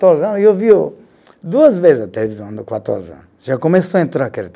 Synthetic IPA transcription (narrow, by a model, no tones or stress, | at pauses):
t̪ozɐ̃niewviʊ | d̪uɐzvezɪzɐt̪elevizɐ̃w̃d̪ʊkwat̪o̰zɐ̰̃ | ʒakomesoɐẽnt̪ɾaɾkeɾ